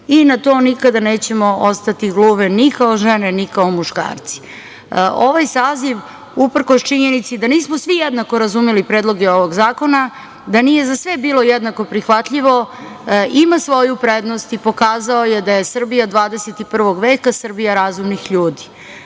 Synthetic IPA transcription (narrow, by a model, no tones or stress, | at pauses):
inat̪o̞ːnikad̪ane̞ːt͡ɕe̞moʔost̪at̪iɡlˠuːʋenikaoʒenenikaomuʃka̰ːɾt̪si̥ | o̞ʋajsaːziʋ | upr̩kost͡ʃiɲenit̪sid̪aniːsmosʋijed̪nakoɾazumelipɾeːd̪lˠo̞ɡeo̞ʋoɡzaːko̞na | d̪aniːjezasʋe̞biːlˠo̞jed̪nako̞pɾixʋat̪ʎiʋo̞ | imasʋo̞jupɾed̪no̞st̪ipo̞kaːzaojed̪ajesr̩bijad̪ʋaːd̪eset̪ipr̩ʋo̞ɡʋe̞ːkasr̩bijaɾazumnixʎuːd̪i̥